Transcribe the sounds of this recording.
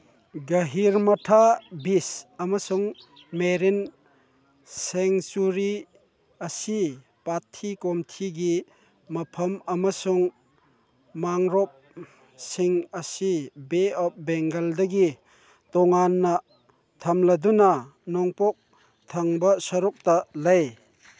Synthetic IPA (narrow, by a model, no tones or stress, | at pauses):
ɡɐɦiɾmɐtʰabisɐmɐsuŋ | meɾin | seŋsuɾi | ɐsi | patʰːikɔmtʰiɡi | mɐpʰɐmɐmɐsuŋ | maŋɾɔp̚ | siŋɐsibeɔp̚beŋɡɐldɐɡi | tɔŋanːɐ | tʰɐmlɐdunɐnɔŋpɔk̚ | t̪ʰɐŋbɐsɔɾɔk̚tɐlɐj